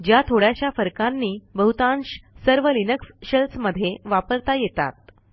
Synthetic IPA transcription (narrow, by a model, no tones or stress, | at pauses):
d͡ʑjat̪ʰoɽjaɕjafəɾkanːiːbəɦut̪ãnɕsəɾʋəlinəksɕəlsməd̪ʱːjeʋapəɾt̪ajet̪a̰t̪̚